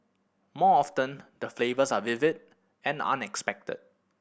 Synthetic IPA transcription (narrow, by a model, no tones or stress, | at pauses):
mɔɔftə̃ndəflevəsavɪvɪd̚ | ɛ̃nã̰nɛkspɛk̚tə̰d̚